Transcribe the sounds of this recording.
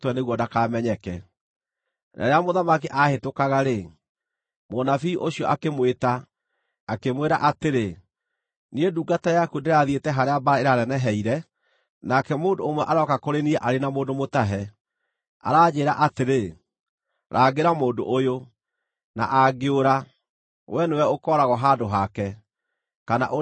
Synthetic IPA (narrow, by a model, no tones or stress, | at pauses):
twɛneɣwɔdakaːmɛɲɛkɛ | nʔa̰ɾeamoðamakiʔahetokaɣaɾe | monafiʔoɕiɔʔakemweta | akemweɾa̰ʔateɾe | nieduːɡatajakudeɾeaðietɛɦaɾeabaɾaeɾaɾɛnɛɦɛiɾɛ | nakɛmoːndoːmwɛʔaɾɔkakoɾeniɛʔaɾenamoːndomotaɦɛ | a̰ɾaːd͡ʑeːɾaʔateɾe | ɾʔaːɡeɾamoːndo̰ʔojo | na̰ʔaɡeoɾa | wʔɛnewɛokɔːɾaɣɔɦaːdoɦakɛ | kana̰ʔo